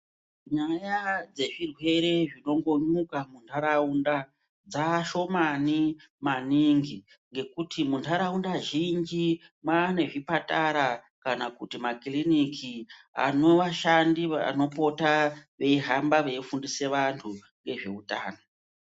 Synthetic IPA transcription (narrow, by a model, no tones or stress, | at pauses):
ɲajad͡ze̞ʐirwe̞ɾe̞ʐino̞ŋɡo̞ɲukamuntʰaɾaunda | d͡zaʃo̞mani | maniŋɡi | ŋɡe̞kutʰimuntʰaɾaundaʒind͡ʒi | mwaːne̞ʐipataɾakanakutimakilinikʰia̰no̞ʋaʃandiʋano̞po̞taʋe̞iɦambaʋeifundise̞ʋantʰu | ŋɡe̞ʐe̞̰utaːno